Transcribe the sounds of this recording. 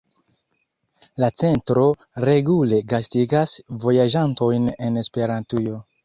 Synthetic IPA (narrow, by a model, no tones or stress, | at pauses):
lat͡se̞ntɾo̞ | ɾe̞ɡule̞ɡastiɡasvo̞jaʒanto̞jne̞ne̞spe̞ɾantujo̞